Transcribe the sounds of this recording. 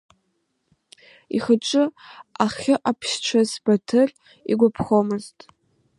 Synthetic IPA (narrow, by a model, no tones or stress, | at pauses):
ḭχəʈ͡ʂʷʼɨaχʲɪʔapʰʃt͡ʃʷʰazbatʰɨr | ḭɡʷapʰχomɨztʼ